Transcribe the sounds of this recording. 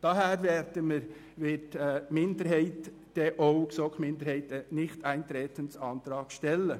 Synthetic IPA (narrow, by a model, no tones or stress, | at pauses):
d̥ɑɦɛːɾvɛːɾdəmə | ʋɪtːmɪndəɾɦɛɪt | d̥ɛʔoʊksokmɪnd̪əɾhɛɪtənɪçtaɪnt̪ɾeːtənsɑnt̪ɾɑːɡ̥ʃtɛlə